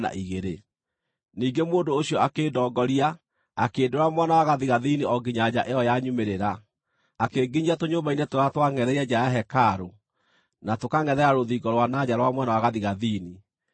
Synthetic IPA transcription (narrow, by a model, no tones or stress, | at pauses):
a̰ʔiɣeɾe | niːɡemoːndoːɕiɔakeːdɔːɡɔɾia | akeːdoɾamwanawaɣaðiɣaðiniɔɡiɲad͡ʑaʔejɔjaɲumeɾeɾa | akeɡiɲiatoɲobainɛtoɾatwaŋɛðɛɾiɛd͡ʑaaɦɛkaɾo | natokaŋɛðɛɾaɾoðiɡɔɾowanad͡ʑaɾwamwanawaɣaðiɣaðini